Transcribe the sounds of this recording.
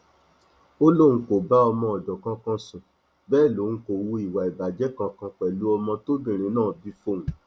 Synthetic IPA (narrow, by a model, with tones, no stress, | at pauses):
o˦lo˦˨ũ˧ko˨ba˨˦ɔ˧mɔ̃˧ɔ˨d͡ʒɔ˨kã˧kã˧sũ˨ | bɛː˦˨lo˨˦ũ˧ko˨wu˧i˨wa˨i˨ba˨d͡ʒɛ˨˦kã˧kã˧k͡pɛ˨lu˨˦ɔ˧mɔ̃˧to˦bĩ˦˨ɾ̃ĩ˨˦nãː˦˨bi˨˦fo˦˨ũ˨